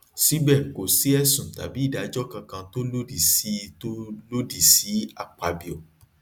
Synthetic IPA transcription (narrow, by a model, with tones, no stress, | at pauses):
si˦bɛ˦˨ko˨si˨˦ɛ˦˨sũ˨ta̰˨bi˨˦i˦˨da˨˦d͡ʒɔ˦kã˧kã˧to˦lo˦di˨si˦to˦lo˦di˦˨si˨˦a˨k͡pa˧bi˨o˨